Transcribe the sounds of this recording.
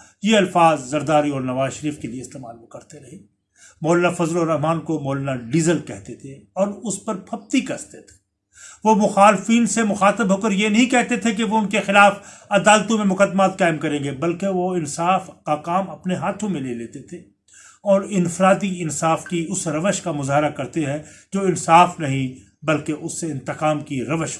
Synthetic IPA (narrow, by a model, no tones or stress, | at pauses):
jeɐlfaːzzɐɾd̪aːɾiɔːɾnɐʋaːzʃɐɾiːfkelieɪst̪eːma̰ːlkɐɾt̪eɾɐɦeː | mɔːlnafɐzloːɾɐɦmaːnkomɔːlnaɖiːzəlkɛɦt̪et̪ʰeɔːɾʊspɐɾpʰɐb̚t̪ikɐɾt̪et̪ʰe̥ | ʋomʊxaːlɪfiːnsemʊxaːt̪əbɦoːkəɾjenɐɦĩkɛɦt̪et̪ʰek̬eʋoʊnkexɪlaːfɐd̪aːlt̪õmẽmʊqəd̪ːmaːt̪̚kaːɪmkɐɾẽːɡebɐlkeʋoɪnsaːfkakaːmɐpneɦaːt̪ʰõmẽleːleːt̪et̪ʰeː | ɔːɾɪnfɾaːt̪̬iɪnsaːfkiʊsɾɐʋəʃkamʊzaːɦɪɾakɐɾt̪eɦɛ̃d͡ʒoːɪnsaːfnɐɦĩ | bɐlkeʔʊsːeɪ̃nt̪ɪqaːmkiɾɐʋəʃ